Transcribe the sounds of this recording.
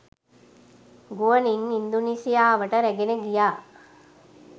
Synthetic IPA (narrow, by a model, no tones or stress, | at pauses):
ɡuʋəniŋind̪uniːsijaːʋəʈəɾɛɡenəɡijaː